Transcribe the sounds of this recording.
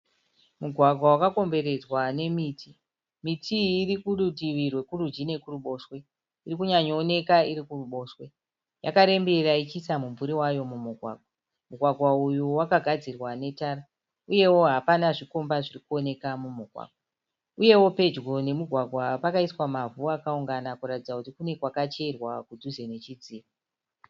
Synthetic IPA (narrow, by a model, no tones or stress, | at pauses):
muɡʱwaɡʱwawakako̞mbe̞ɾe̞d͡zwane̞miːti | mitʰiːrikuɗudiʋirwe̞kurud͡ʒine̞kuruɓo̞ːʃwe̞ | irikuɲaɲoːne̞kaiɾikuruɓo̞ːʃwe̞ | jakaɾe̞mbe̞rait͡ʃisamumvuɾiwajo̞mumuɡʱwa̰ːɡ̥̚ʱwa | muɡʱwaɡʱwaujuwakaɡʱad͡zirwane̞taːra | uje̞wo̞ɦapanaʐikombaʐirikuo̞ne̞kamumuɡʱwa̰ɡ̥̚wa | uje̞wo̞pe̞d͡ʒɡo̞ne̞muɡʱwaɡʱwapakaiswamavuakauŋɡanakuratid͡zakutikune̞kwakat͡ʃe̞rwakud͡zʱuzene̞t͡ʃid͡ziːra